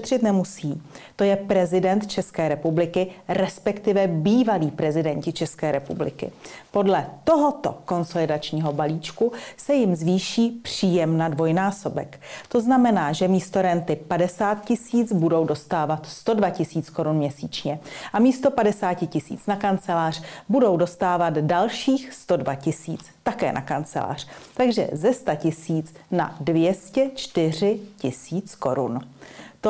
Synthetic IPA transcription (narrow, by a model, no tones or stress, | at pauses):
t̪r̝̥ɪt̪nɛmusiːt̪o̞jɛpɾɛzɪdɛnt̪t͡ʃɛskɛːɾɛpublɪkɪɾɛspɛkt̪ɪvɛbiːvaliːpɾɛzɪdɛɲcɪt͡ʃɛskɛːɾɛpublɪ̰kɪ̰po̞dlɛtt̪o̞ɦo̞t̪o̞̰ko̞nso̞lɪdat͡ʃɲiːɦo̞baliːt͡ʃkusɛjɪmzviːʃiːpr̥iːjɛmnadvo̞jnaːso̞bɛ̰kt̪o̞znamɛnaːʒɛmiːst̪o̞ɾɛnt̪ɪpadɛsaːt̪cɪsiːt͡sbudo̞wdo̞st̪aːvat̪st̪o̞dvacɪsiːt͡skoɾunmɲɛsḭːt͡ʃɲɛʔamiːst̪o̞padɛsaːcɪcɪsḭːt͡snakant͡sɛlaːr̝̥budo̞wdo̞st̪aːvat̪dalʃiːxst̪o̞dvacɪsḭːt͡s | t̪akɛ̰ːnʔakant͡sɛ̰la̰ːr̝̥t̪aɡʒɛ̰zɛst̪acɪsiːt͡sna̰dvjɛscɛt͡ʃt̪ɪr̝ɪcɪsiːt͡sko̞ɾṵnt̪o